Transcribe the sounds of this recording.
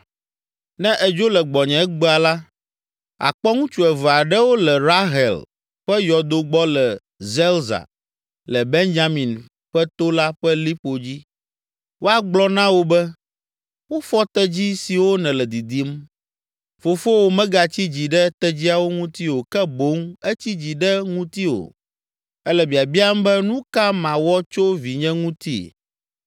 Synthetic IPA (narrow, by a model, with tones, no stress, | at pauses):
nɛ̃˦ʔɛ˨d͡ʒo˦lɛ˨ɡ͡bɔ˨ɲɛ̃˨˦ɡ͡bɛ˦a˨la˦ | a̰˨k͡pɔ˦ŋũ˦t͡ʃu˨ɛ˨vɛ˨a˨ɖɛ˦wo˦lɛ˨ɾa˦ɦɛ̰˨l | ɸɛ˦jɔ˨d̪o˦ɡ͡bɔ˦lɛ˨ | zɛ˦lza̰˨ | lɛ˨be˦nd͡ʒa˦mĩ˨n | ɸɛ˦t̪o˦la˦ɸɛ˦li˦ɸo˨d͡ʑi˦ | wʔo˦a˨ɡ͡blɔ˦nã˦wo˦bɛ˦ | wo˦fɔ˦t̪ɛ˦d͡ʑi˦si˨wo˦nɛ̃˨lɛ˨d̪i˨d̪i˦m | fo˨fo˦wo˨mɛ̃˦ɡa˨t͡ɕi˦d͡ʑi˨ɖɛ˦t̪ɛ˦d͡ʑi˦a˨wo˦ŋũ˦t̪i˦wo˨kɛ˦bo˨˦ŋɛ˦t͡ɕi˦d͡ʑi˨ɖɛ˦ŋũ˦t̪i˦wo̰˨ | ɛ˦lɛ˨bi˨a˨bi˦a˦m˦bɛ˦nũ˦ka˦mã˨wɔ˦t͡ʃo˦vi˨ɲɛ̃˦ŋũ˦t̪ḭ˦˨